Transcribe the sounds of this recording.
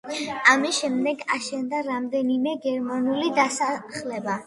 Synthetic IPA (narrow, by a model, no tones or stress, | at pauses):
amisʃɛmd̪ɛɡaʃɛnd̪aɾamd̪ɛnimɛɡɛɾmanulid̪asaχlɛba